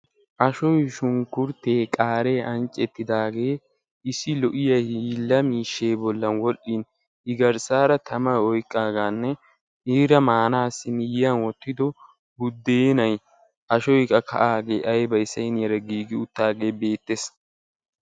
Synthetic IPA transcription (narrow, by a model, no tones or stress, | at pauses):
ʔɐʃɔjʃʊŋkʊɾt̪e̞ːkʼaːɾe̞ːʔɐnt͡ʃʼːɛt̪ːɪd̪aːɡe̞ː | ɪsːɪlɔʔɪjɐhiːlːɐmiːʃːe̞ːbɔlːɐnwɔɗin | ɪɡɐɾsaːɾɐt̪ʰɐmɐɔjkʼːaːɡaːnːɛ | ʔiːɾɐmaːnaːsːɪmɪjɪjɐnwɔt̪ːɪd̪ɔ | bʊd̪ːeːnɐj | ʔɐʃɔjkʼːɐkʰɐ̰ʔaːɡe̞ːʔɐjbɐjɪsɐjnɪjɐɾɐɡiːɡɪʊt̪ːaːɡe̞ːbe̞ːt̪ːeːs